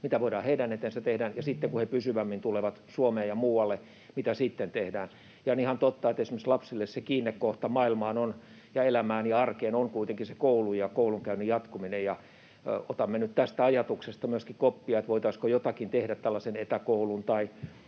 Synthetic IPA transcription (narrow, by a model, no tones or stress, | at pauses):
mit̪æʋoidɑːheidænet̪ensæt̪ehdæːnjɑsit̪ːeŋkuhepysyʋæmːint̪uleʋɑt̪suomeːjɑmuːwɑlːe | mit̪æsiːt̪ːent̪ehdæːn | jɑonihɑnt̪ot̪ːɑet̪esimeslɑpsilːessekiːnːekkoht̪ɑmɑilmɑːnon | jɑelæmæːnjɑɑrkeːnoŋkuit̪eŋkisekoulujɑkouluŋkæynyjɑt̪kuminejɑ | ot̪ɑmːenyt̪t̪æst̪æɑjɑt̪uksest̪ɑmyøskikopːiɑet̪ʋoit̪ɑiskojot̪ɑkint̪ehdæt̪t̪ælːɑsenet̪ækoulunt̪ɑi